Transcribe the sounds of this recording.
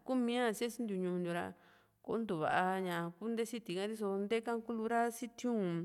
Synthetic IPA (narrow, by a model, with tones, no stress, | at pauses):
ku˦mĩ˦ã˦˧se˦si˦nd̪ju˧˨ɲũ˧d̪ju˧ɾa̰˧ | ko̰˧˦nd̪u˨βa̰˨ʔa˧ɲã˨˧ku˦nd̪e˦si˦t̪i˨kã˦˧˦t̪i˦s̬o˧nd̪e˦kã˦ku˦lu˧ɾa˦si˦t̪ʰjũː˦